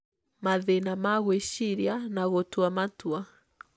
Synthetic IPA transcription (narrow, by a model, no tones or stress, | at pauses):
maðenamaɣwɛʃiɾianaɣɔtuamatua